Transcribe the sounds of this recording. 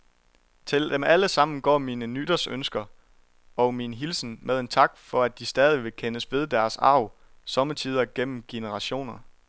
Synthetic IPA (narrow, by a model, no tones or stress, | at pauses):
t͡sʰe̝ld̥emæləsɑ̈m̰n̩ɡ̥ɒ̰ːmiːnənyd̥ɐsønsɡ̥ɐ | ɒʊminɦilsn̩meðˠnt͡sʰɑ̈ɡ̥fɒ̽æd̥isd̥ɛːð̞ˠiʋe̝kʰenəsb̥e̝ðˠd̥æɐsɑ̰̈ʊ | sɒ̽mət͡sʰiːð̞ˠɐɡ̥en̰m̩ɡ̥e̝nəʁɑ̈ɕo̝̰ːnɐ